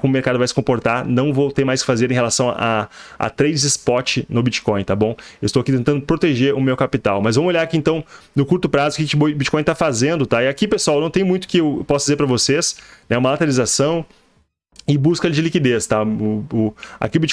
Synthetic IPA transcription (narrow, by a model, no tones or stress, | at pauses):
kõmʊmeɾkad̪ʊvajsɪ̥kõpoɾt̪aɾnɐ̃w̃vowt̪ẽj̃majskɪ̥fazeɾẽɦelasɐ̃w̃a̰a̰t̪ɾejd͡ʒɪzɪspɔɾt͡ʃɪnʊbit͡ʃi̥kõj̃t̪abõewɪstowakit̪ẽnt̪ɐ̃nd̪ʊpɾot̪eʒeɾʊmewkapit̪awmɐzvɐ̃mʊoʎjaɾakiẽnt̪ɐ̃w̃nʊkuɾt̪ʊpɾazʊkɪkɪbit͡ʃi̥kõj̃t̪afazẽnd̪ʊt̪aɪakipesʊawnɐ̃w̃t̪ẽj̃mũj̃t̪ʊ̥kɪewpɔsʊdd͡ʒɪzeɾpɾɐvosesnɛũmɐlat̪eɾalizasɐ̃w̃ | ɪbuskɐd͡ʒɪlikid̪est̪aʊa̰kiʊbit͡ʃ